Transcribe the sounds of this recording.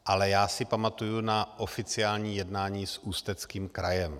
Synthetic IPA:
ʔalɛjaːsɪpamat̪ujunaʔo̞fɪt͡sɪaːlɲiːjɛdnaːɲiːsuːst̪ɛt͡skiːmkɾajɛm

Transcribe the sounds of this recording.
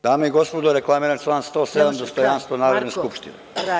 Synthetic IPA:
d̪aːmeiɡospod̪oɾeklˠamiɾant͡ʃlˠaːnst̪oːsed̪amd̪ost̪ojanst̪ʋonaːɾod̪neskupʃt̪inḛ

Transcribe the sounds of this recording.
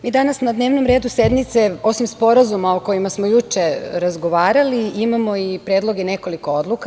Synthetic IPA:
miːd̪anasnad̪ne̞ːʋno̞mɾe̞ːd̪use̞d̪nit̪se̞o̞simspo̞ɾazumaoko̞jimasmo̞jut͡ʃe̞ɾazɡo̞ʋaːɾaliimamo̞ipɾeːd̪lo̞ɡene̞ko̞liko̞od̪luka

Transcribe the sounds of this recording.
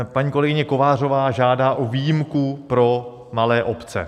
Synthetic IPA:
paɲiːko̞lɛɡɪɲɛko̞vaːr̝o̞vaːʒaːdaːʔoviːjɪmkupɾo̞ | malɛːʔo̞pt͡sɛ̰

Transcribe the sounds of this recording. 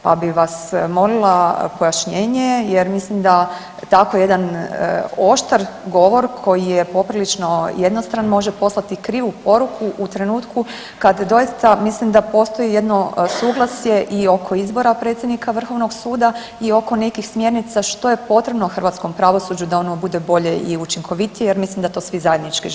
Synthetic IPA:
pa̰biʋasmo̞lilˠapo̞jaʃɲeːɲejeɾmislimd̪a | t̪akojeje̞d̪an | o̞ʃt̪aɾɡo̞ʋo̞ɾkʰo̞jijepo̞pɾilit͡ʃno̞je̞d̪nost̪ɾanmo̞ʒepo̞slˠat̪ikɾiːʋupo̞ɾukʰuʔut̪ɾe̞nuːt̪ku | kad̪d̪o̞jist̪amislimd̪apo̞st̪o̞jije̞d̪no̞suːɡlˠasje̞ʔio̞kʰo̞izbo̞ɾapɾet̪sʲjed̪nikaʋr̩xo̞ʋno̞ɡsuːd̪a | io̞ko̞nekixsmje̞ɾnit̪saʃt̪o̞je̞po̞t̪ɾe̞bnoxr̩ʋat̪sko̞mpɾaʋo̞sud͡ʑud̪ao̞nobud̪ebo̞ʎe̞ʔiut͡ʃiŋkʰo̞ʋit̪ijejeɾmislimd̪at̪osʋizaje̞d̪nit͡ʃki

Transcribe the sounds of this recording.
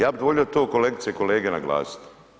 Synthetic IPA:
jaːbid̪ʋoʎʲijot̪oːko̞leɡt̪sieko̞leːɡena̰ɡla̰ːsi̥t̪

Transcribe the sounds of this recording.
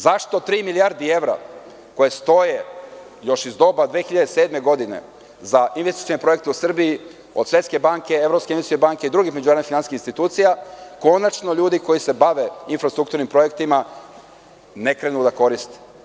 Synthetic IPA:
zaʃt̪o̞t̪ɾiːmiliaɾd̪ie̞ʋɾa̰ | ko̞jest̪o̞je̞ | jo̞ʃizd̪o̞bad̪ʋeːxiʎad̪ese̞ːd̪me̞ɡo̞d̪ine̞̰ | zainʋesi̥t̪jonepɾ̞jekt̪eusr̩bii | o̞d̪sʋe̞t̪ske̞baŋke̞evɾopskeinesiebaŋke̞id̪ɾuɡixmed͡ʒunaɾd̪ifinansi̥skinst̪it̪uːt̪sijako̞nat͡ʃno̞ʎuːd̪iko̞jise̞baʋe̞infɾast̪ɾuk̚t̪uɾnimpɾo̞je̞kt̪ima | nekɾenud̪ako̞ɾist̪e̥

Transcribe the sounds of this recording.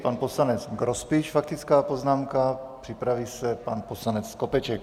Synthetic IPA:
panposlanɛt͡sɡɾospiʃfak̚t̪it͡skaːpo̞znaːmkapr̥ɪpɾaviːsɛpanposlanɛt͡sːkopɛt͡ʃɛk

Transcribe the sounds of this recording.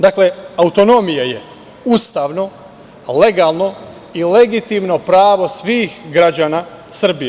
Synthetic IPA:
d̪akle̞aut̪o̞no̞mijaje̞ | ust̪aːʋno̞ | le̞ɡaːlˠno̞ | ile̞ɡit̪imno̞pɾaːʋo̞sʋiːxɡɾad͡ʑaːna | sr̩bije

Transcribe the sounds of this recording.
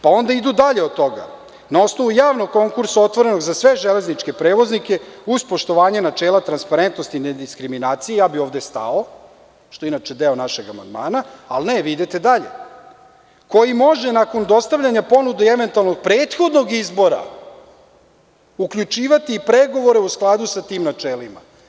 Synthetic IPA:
pao̞nd̪aid̪ud̪aʎe̞od̪̚t̪ːo̞ɡa̰ | nao̞sno̞ʋujaːʋnoɡ̚ko̞ŋkuɾsao̞t̪ʋo̞ɾe̞no̞ɡzasʋe̞ʒele̞znit͡ʃke̞pɾeːʋo̞znike̞uspo̞ʃt̪o̞ʋaːɲenat͡ʃeːlat̪ɾanspaɾe̞nt̪no̞st̪ined̪iskɾiminaːt̪sijejaːbio̞ːʋd̪est̪a̰o | ʃt̪o̞inaːt͡ʃed̪eonaʃeɡama̰nd̪ma̰ːnaalneʋid̪et̪ed̪aʎḛ | ko̞jimo̞ʒenako̞nd̪o̞st̪aʋʎaɲapo̞nud̪eeʋe̞nt̪ualno̞ɡ̚pɾeːt̪xo̞d̪noɡizbo̞ɾa̰ | ukʎut͡ʃiːʋat̪iːpɾeɡo̞ʋo̞ɾe̞usklˠad̪usat̪iːmnat͡ʃeːlima̰

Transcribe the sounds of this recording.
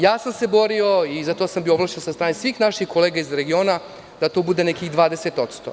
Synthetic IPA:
jaːsamse̞bo̞ɾio̞izat̪o̞sambioblˠaʃt͡ʃenosast̪ɾaːnesʋiːxnaʃixko̞leɡaizɾeɡio̞ːna | d̪̥at̪o̞bud̪e̞nekiɣd̪ʋaːd̪eset̪o̞t̪st̪o̰

